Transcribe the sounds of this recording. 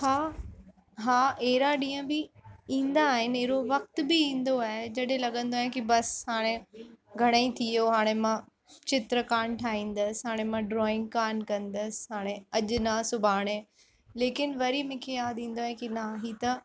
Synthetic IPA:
haː | ɦaːʔeɦɾaɗĩːə̃bɪĩːn̆d̪aːɦɪnɪɾoʋɐk̚t̪bɪĩːnd̪oaːɦed͡ʑɐɗɦẽlɐɠə̃nd̪oaːɦɪ̃kibɐshaːɽ̃eɡʱɐɽ̃aĩt̪ʰijoɦaːɽ̃emã | t͡ɕɪt̪ɾəkaːɳʈʰaːɦĩːn̆d̪əsɦaːɽ̃emãɖɾɔːɪ̃ŋɡ̚kaːnkɐ̃nd̪əsɪ̥ɦaːɽ̃eɐʄnasʊbʱaːɽ̃ẽ | leːkɪnʋɐɾimẽːkʰejaːd̪ĩːn̆d̪oaːɦẽkinaɦiːt̪ɐ

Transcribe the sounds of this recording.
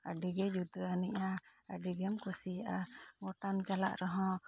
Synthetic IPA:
aɖiɡɛd͡ʒut̪əaniʔaaɖiɡɛmkusijaʔaɡɔʈamt͡ʃala̰ʔɾɛɦɔ̃

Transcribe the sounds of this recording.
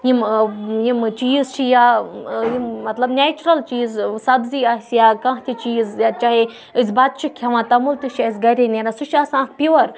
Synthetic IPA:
jimjimt͡ʃiːzt͡ʃʰijaːjimmɐt̪lɐbnʲeːt͡ʃɾɐlt͡ʃiːzsɐbziːasjaːkãɦt̪ʰʲit͡ʃiːzjat͡ʃaːɦe | ɨsbat̪̚t͡ʃʰikʰɐʋãːt̪ɐmult̪iʃʰiɐsɡɐɾʲenʲeɾãsuʃʰɐsãːk̚pʲiʋɐɾ

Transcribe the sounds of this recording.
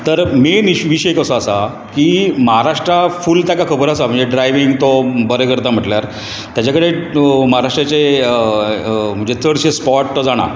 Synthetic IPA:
t̪əɾmeniʋiɕəekəsəasa | kiːməɦaɾaʂʈɾafuːlt̪jakakʰəbəɾasam̤əɳd͡zd͡ʑeɖɾajʋiŋɡt̪obəɾəkəɾt̪am̤əʈljaɾ | t̪jat͡ɕakəɽeməɦaɾaʂʈɾat͡ɕe | m̤əɳd͡ʑet͡səɽɕespɔʈd͡zaɽ̃a̰

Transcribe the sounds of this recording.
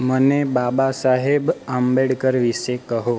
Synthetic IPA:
mənebabasaɦebambeɽkəɾʋiʃekəɦo

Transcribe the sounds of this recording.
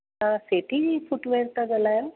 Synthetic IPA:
aseʈʰiifuʈʋeɾt̪aɡəlaja

